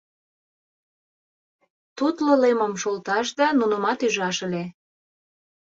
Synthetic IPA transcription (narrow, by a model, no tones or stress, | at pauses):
t̪ut̪lɤlemə̆mʃolt̪ɑʃd̪ɑnunəmɑt̪yʒɑʃə̆le